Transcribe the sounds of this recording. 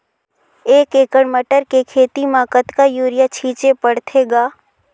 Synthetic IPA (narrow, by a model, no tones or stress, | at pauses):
eːkeːkəɽməʈəɾkekʰeːt̪imaːkət̪kajuːɾɪjat͡ʃʰiːt͡ʃepəɽt̪ʰeɡaː